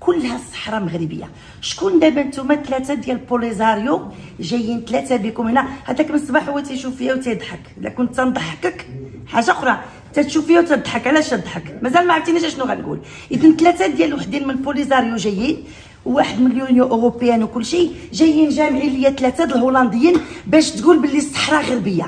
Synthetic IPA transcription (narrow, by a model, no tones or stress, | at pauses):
kʊlːhæsˤːə̥ħɾˤɑməɣɾəbə̰jːa̰ | ʃkund̪æbænt̪umæt̪læt̪æd̪jælpolizɑɾˤjuʒæjːənt̪læt̪æbikʊmənːæhæd̪ækmənsˤbaħʊwːæt̪æjʃufəjæwt̪æjd̪ˤħəklːæ̰kʊnt̪ːænd̪ˤɑħəkək | ħaʒːaʔʊxɾˤɑ | t̪æt̪ʃufəjæwt̪əd̪ˤħəkʕlæʃəd̪ˤħəkmæzælmaʕft̪inæʒæʃnuɣæ̰nɡṵl | ʔəd̪ənt̪læt̪æd̪jælwaħd̪inmənpolizɑɾjuʒæjːin | wːaħəd̪mənljunjõʔoʁopəjænwkʊlːʃiʒæjːinʒæmʕiləjːæt̪læt̪æd̪əlɦolɑnd̪əjːinbæʃt̪ɡulbəlːisˤːə̥ħɾˤɑɣəɾbəjːa̰